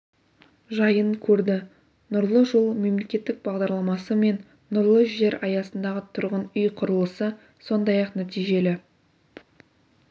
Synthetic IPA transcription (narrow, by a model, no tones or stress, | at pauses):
ʒɑjəɴkʲʰɵɾd̪ɪ | nʊɾlˠəʒolˠme̞mle̞kʲe̞t̪ːɪk̚bɑʁd̪ɑɾlˠɑmɑsəme̞nː | ʊɾlˠəʒʒe̞ɾɑjɑsənd̪ɑʁət̪ʰʊɾʁənʏjqʰʊɾəlˠəsə | so̞nd̪ɑjɑqnæt̪ijʒe̞lɪ